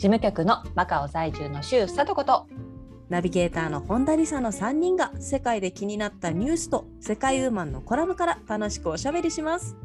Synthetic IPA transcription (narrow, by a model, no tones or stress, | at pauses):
d͡ʑimɯ̟kʲakɯ̟no̞makaozaiʑɨːno̞ɕɨ̥ːsat̪o̞ko̞t̪o̞ | nabʲiɡe̞ːt̪aːno̞hõ̞nd̪aɾʲisano̞sãɲ̟ːĩŋɡase̞kaid̪e̞kʲiɲ̟inat̪ːaɲ̟ʲɨːsɨ̥t̪o̞ | se̞kaiɯːmãnːo̞̰ko̞ɾabɯ̟kaɾat̪ano̞ɕi̥kɯ̟o̞ɕabe̞ɾʲiɕimasɨ̥